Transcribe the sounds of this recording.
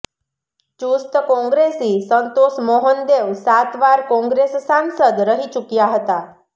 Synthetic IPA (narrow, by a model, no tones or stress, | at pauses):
t͡ʃust̪əkɔ̃ŋɡɾesisənt̪osmoɦənd̪eʋsat̪ʋaɾkɔ̃ŋɡɾessansəd̪ɾəɦit͡ʃukjaɦət̪a